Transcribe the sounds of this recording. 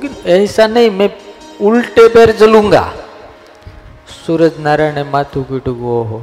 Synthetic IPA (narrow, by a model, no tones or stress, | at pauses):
kinɛsanəimɛ̃ulʈepeɾd͡zəlũŋɡa̰ | suɾəd͡znaɾaɽ̃emat̪ʰukiʈuɡoɦo